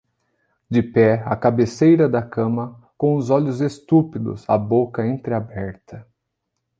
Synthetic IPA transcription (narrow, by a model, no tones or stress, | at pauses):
d͡ʒɪpɛɐkabesejɾɐd̪ɐkɐ̃mɐ | kõʊzɔʎʊzest̪upid̪ʊ̰zɐ̰bokɐẽnt̪ɾɪabɛɾt̪ɐ